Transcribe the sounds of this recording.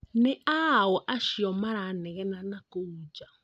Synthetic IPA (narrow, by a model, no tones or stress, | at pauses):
nɛʔawɔʔaʃiɔmaɾanɛɣɛnanakoud͡ʒa